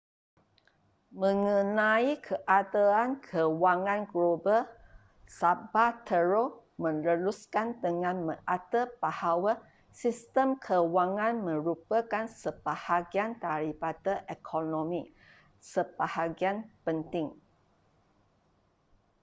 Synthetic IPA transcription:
mə̃ŋə̃nãikʰəʔad̪əankʰəwaŋãnɡlobə | sabat̪ʰəɹomə̃nləluskand̪əŋãnmə̃ʔat̪əbahawa | sist̪əmkʰəwaŋãnmə̃ɾupəkansəbahaɡiant̪aɾibat̪əʔekʰonõmĩ | səb̥ahaɡianpənt̪ɪŋ

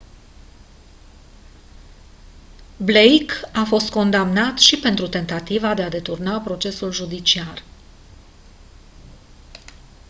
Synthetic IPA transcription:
blejkafo̞st̪̚ko̞nd̪amnat̪ʃipe̞nt̪ɾut̪e̞nt̪at̪ivad̪ead̪e̞t̪urnapɾo̞t͡ʃe̞sulʒud̪it͡ʃiar

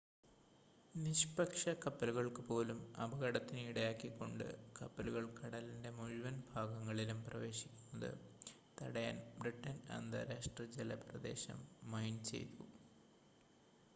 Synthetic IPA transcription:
niɕpɐkʂɐkɐpːɐluɣɐɭkɨpo̞ːlumɐ̰bʱɐɣɐɽɐt̪ːiniɽɐjaːkːikːo̞̰ɳɖɨ̰kɐpːɐluɣɐɭkɐɽɐlinde̞muɻuʋɐnbʱaːɡɐŋːɐɭilumprɐʋe̞ːɕi̥kʲːunːɐðɨ̰ | t̪ɐɽɐja̰ːnbriʈːɐnɐ̰nd̪ɐ̰ɾaːʂʈrɐd͡ʑelɐprɐd̪e̞̰ːɕɐ̰mːɐjnt͡ɕe̞̰jt̪u

